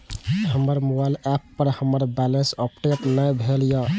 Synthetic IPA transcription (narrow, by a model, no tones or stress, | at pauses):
həməɾmobajlɛpːəɾhəməɾbɛlensəpʈeʈnəjbʱeljə